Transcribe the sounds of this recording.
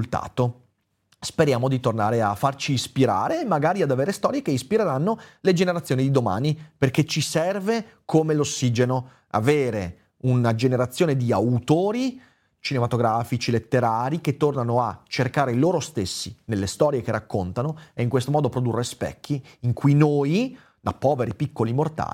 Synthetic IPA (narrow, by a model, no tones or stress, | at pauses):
lt̪a̰ːt̪o | speɾjaːmod̪it̪orna̰ːɾeafːart͡ʃiːspiɾa̰ːɾemaɡaːɾiad̪aveːɾest̪ɔːɾjekeispiɾeɾanːoled͡ʒeneɾat̪sːjoːnid̪id̪oma̰ːniperk̟et͡ʃisɛrve | kʰomelosːiːd͡ʒeno | a̰veːɾe | unad͡ʒeneɾat̪sːjoːned̪iawt̪oːɾi | t͡ʃinemat̪oɡɾaːfit͡ʃilet̪ːeɾaːɾiket̪ːornanoat͡ʃerkaːɾeloːɾost̪esːinelːest̪ɔːɾjek̟erːakːont̪anoɛiŋkwest̪omɔːd̪opɾod̪urːespɛ̰kːiːŋkʰujnoj | d̪a̰pːɔːveɾipikːolimort̪a̰ːl